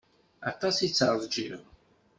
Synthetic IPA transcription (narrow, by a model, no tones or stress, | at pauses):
ɑ̰t̪ˤːɑsit͡sːəɾˤðˤd͡ʒḭʁ